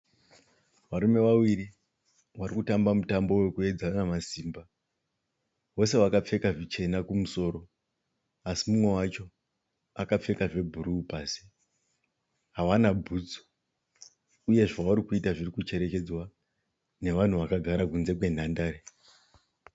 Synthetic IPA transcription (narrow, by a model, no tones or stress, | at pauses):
ʋaɾume̞ʋawiɾi | ʋaɾikutambamutambo̞we̞kue̞d͡zanamasiːmba | wo̞se̞wakap͡fe̞kaʐit͡ʃe̞nakumuso̞ːɾo̞ | asimumwe̞wat͡ʃo̞ | akap͡fe̞kaʐe̞bʱuɾuːpaːsi̥ | ɦaʋanabʱud͡zo̥ | uje̞ʐawuɾikuitaʐirikut͡ʃe̞ɾe̞ke̞d͡zwa | ne̞ʋan̤uʋakaɡʱaɾakunze̞k̬we̞n̤andaːɾe